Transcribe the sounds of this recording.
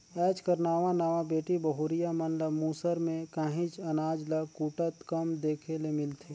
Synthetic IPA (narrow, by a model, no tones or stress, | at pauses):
ɛːt͡ʃkəɾnaːʋãnaːʋabeːʈibəɦuɾijamənləmuːsəɾmẽkaːɦĩt͡ʃɐnaːd͡ʒləkuːʈət̪kəmd̪eːkʰelemɪlt̪ʰeː